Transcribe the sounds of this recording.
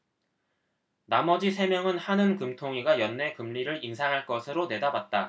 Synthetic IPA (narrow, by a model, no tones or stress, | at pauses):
namʌd͡ʑisʰe̞mjʌŋɯnhanɯnkɯmtʰoŋiɡajʌnːe̞kɯmʎiɾɯɾinsʰaŋɦaɭk͈ʌsʰɯɾone̞dabat̚t͈a